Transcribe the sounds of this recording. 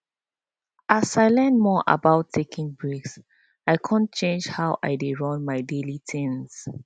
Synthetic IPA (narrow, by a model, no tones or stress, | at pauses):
ʔasaɪlɛ̃ndmɔʔa̰baʊtʰːekʰɪ̃ŋbɹeks | aɪkʰãnt͡ʃẽnd͡ʒhawʔa̰ɪdeɹɔ̃nmaɪdelitʰɪ̃ŋs